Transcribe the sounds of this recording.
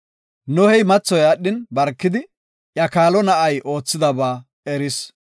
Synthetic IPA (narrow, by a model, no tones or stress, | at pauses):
nɔhɛjmɐt͡sːɔjɐɗːɪnbɐɾkːɪd̪ɪ | ʔjɐkaːlɔnɐʔɐjʔo̞ːt͡sːɪd̪ɐbaː | ɛɾɪs